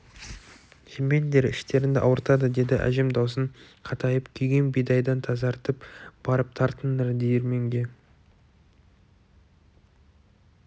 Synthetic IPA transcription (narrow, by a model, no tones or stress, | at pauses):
ʒ̥ɪmbe̞nd̪e̞ɾɪ̰ʃt̪e̞ɾɪnd̪ɪʔɑ̰wəɾt̪ɑd̪əd̪e̞d̪ɪʔæ̰ʒe̞md̪ɑws̬əɴ | qʰɑt̪ʰɑjəpkʲʰʏjɡʲe̞nbijd̪ɑjd̪ɑnt̪ʰɑzɑɾt̪əpb̥ɑɾəp̚t̪ʰɑɾt̪ənd̪əɾd̪ejeɾme̞ŋɡʲe̞